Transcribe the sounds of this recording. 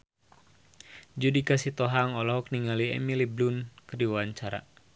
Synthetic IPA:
d͡ʒudikasit̪ɔɦaŋɔlɔɦɔk̚niŋaliɛ̰miliblunkərdiwaɲt͡ʃaɾa̰

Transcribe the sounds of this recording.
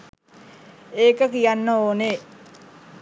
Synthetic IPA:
eːkəkijanːəoːne

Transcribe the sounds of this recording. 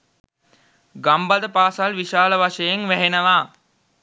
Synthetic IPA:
ɡambad̪əpaːsalʋiʃaːləʋaʂəjeŋʋæɦenəʋaː

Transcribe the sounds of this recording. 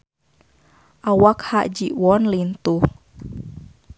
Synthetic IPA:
ʔawakhaʔd͡ʒiʔwɔnlint̪u

